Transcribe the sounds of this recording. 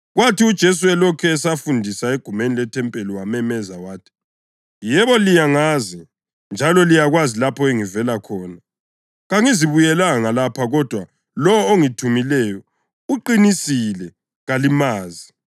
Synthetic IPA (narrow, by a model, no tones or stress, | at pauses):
ɣwatʰiud̥ʒ̥ʱes̬uɛlɔkʰɛːsafundʱisaeɡ̥ʱumenilɛtʰɛmpʼeliwamɛmɛzawaːtʰi̥ | jɛβɔlijaŋazɛ | nd͡ʒʱalɔlijaɣwazilapʰɔeŋivɛlakʰɔːna | ɣaŋiziβujɛlaŋalapʰaɣɔd̥ʱwa | lɔwɔoŋitʰumilɛjɔ | uǃinisilɛ | ɣalimaːzi